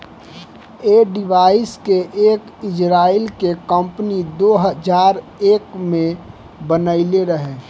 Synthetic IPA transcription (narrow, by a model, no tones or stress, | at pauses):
eːɖɪʋaːɪskeʔeːk | ɪd͡ʒɾaːɪlkekə̃mpnid̪oːɦəd͡ʒaːɾ | eːkmẽ | bənəɪleɾəɦeː